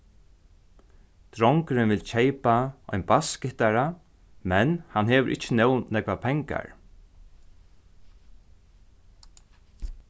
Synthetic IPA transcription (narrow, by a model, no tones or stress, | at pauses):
t̪ɾɔŋkɾɪnʋɪlt͡ʃʰejpaɔ̰jnbaskɪt̪aɾa | mɛnhanɦeːʋəʔɪ̰t͡ʃːənɛw̪ːɛkʋapʰɛŋka̰ɹ